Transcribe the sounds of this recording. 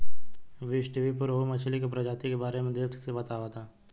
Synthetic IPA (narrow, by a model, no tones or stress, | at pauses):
ʋɪʃʈiʋipʊɾomət͡ʃʰlikopɾɐd͡ʒaːt̪ikebaːɾemẽd̪eːt̪ʰsebɐt̪aːʋat̪ʰaː